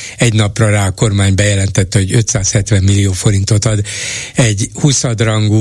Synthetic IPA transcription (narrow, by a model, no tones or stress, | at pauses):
ɛɟnɒprɒraːko̞rmaːɲbɛjɛlɛnt̪ɛt̪ːɛho̞ɟø̞t̪saːshɛt̪ʋɛmːilːioːfo̞ɾint̪o̞t̪ɒd̪ɛɟhusɒd̪rɒŋɡu